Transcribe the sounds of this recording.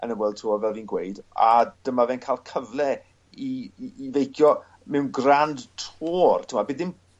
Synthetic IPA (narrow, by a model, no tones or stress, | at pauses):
ə̰nəmwɛlˠd̚tʰoːvɛlˠviːnɡwejda̰d̥əmavɛnkʰaːlˠkʰəvlˠɛ | iːvejkʰjɔ | mɛwnɡrandtʰoːrtʰɪmabiːdɪm